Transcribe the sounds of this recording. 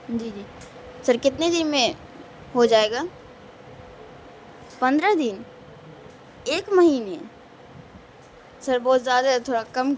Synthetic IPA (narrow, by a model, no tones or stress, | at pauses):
d͡ʒiːd͡ʒiː | sɐɾkɪt̪ned̪ɪnmẽ | ɦod͡ʒaːeːɡaː | pɐ̃nd̪ɾad̪ɪn | eːkmɐɦiːne | sɐɾbɔːt̪zjaːd̪at̪ʰoːɽakɐm